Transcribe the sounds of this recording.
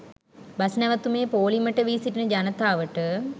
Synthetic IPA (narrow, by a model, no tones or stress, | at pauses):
basnɛʋat̪umeːpoːliməʈəʋiːsiʈinəd͡ʒanət̪aːʋəʈə